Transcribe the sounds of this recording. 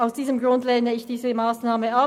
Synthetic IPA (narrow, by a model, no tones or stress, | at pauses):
ʔaʊsd̥iːzəmɡʁʊndlɛːnəɪçd̥iːzəmaːsnaːməʔa